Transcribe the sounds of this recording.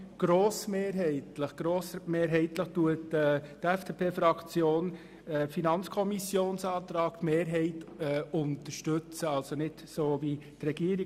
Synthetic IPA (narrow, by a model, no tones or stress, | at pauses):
ɡ̥ɾoːsmeːɾɦɛɪt̪ləχɡ̥ɾoːsmeːɾɦɛɪtləχtuətɛtɛfd̥epʰeːfɾɑkt͡sjoːn | ɛfinɑnt͡skʰɔmisjoːnsɑːt̪ɾɑːktmeːɾɦɛɪtːʊnt̪əɾʃtɵt͡səɑlsonɪd̥soːvit̪rɛɡ̥iːəɾi